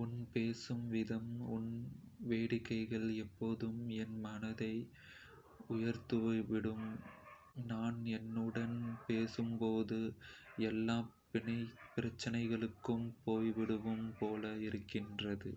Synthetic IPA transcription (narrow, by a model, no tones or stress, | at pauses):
ʊnpeːsɯmʋɪðɐmʊnʋeːɽɪkːɐɪɣɐɭɛpːoːðɯmɛnmɐnɐðɐɪ | ʊjɐɾt̪ɯʋɐʋɪɽɯm | naːnɛnːɯɽɐnpeːsɯmpoːðɯɛlːaːpɪnɐɪpːɪɾɐt͡ʃːɐnɐɪɣɐɭɯkːɯmpoːjʋɪɽɯʋɯmpoːlɐɪɾɯkːɪndrɐðɯ̰